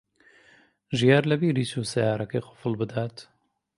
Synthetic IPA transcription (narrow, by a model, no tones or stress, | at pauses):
ʒijaːɾlɛbiːɾiːsuːsɛjaːɾɛkeːqʊ̥fɨlbɨd̪aːt̪